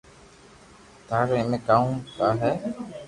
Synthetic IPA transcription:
t̪aːɾemẽkaːũkaːɦɛː

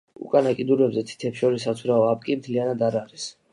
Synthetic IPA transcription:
ṵkʼanakʼid̪uɾvɛbzɛt̪ʰi̥t̪ʰɛpsʃɔɾisːat̪sʰuɾaɔap̚kʼimt̪ʰlianad̪aɾaɾis

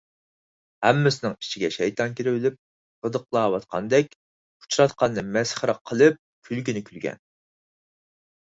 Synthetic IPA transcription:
hæmːɪsɪnɪŋi̥t͡ʃʰiɡʲɛʃɛjt̪ɑnkʲiɾɪwɪlyp̚ | səd̪əqlˠɑːwɑt̪̚qʰɑ̰nd̪ɛk̚ʲʰ | u̥t͡ʃʰɾɑt̪qʰɑnːɨmɛsχɾɑqʰːəlˠɨp̚kʲʰylɡʲinɪkʲʰylɡʲɛ̰n

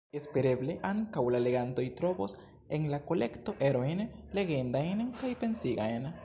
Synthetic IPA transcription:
e̞spe̞ɾe̞ble̞ʔaŋkawlale̞ɡanto̞jtɾo̞bo̞s | e̞ŋlako̞le̞kto̞ʔeɾo̞jnle̞ɡe̞ndajnkajpe̞nsiɡa̰jn

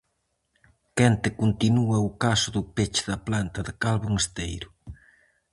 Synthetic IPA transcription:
kɛnt̪ɪkunt̪inuɐʊkasʊðʊpet͡ʃɪðɐplant̪ɐðɪkalβoŋest̪ejɾʊ

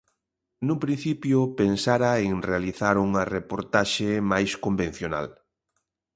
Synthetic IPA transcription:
nʊpɾin̟θipjʊpensaɾaeŋrealiθaɾuŋɐrepoɾt̪aʃemajskomben̟θjona̰l

